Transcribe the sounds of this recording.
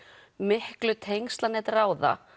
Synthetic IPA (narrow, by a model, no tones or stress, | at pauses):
mɪhklʏt̪ʰejŋst̪lanɛt̪raːwða̰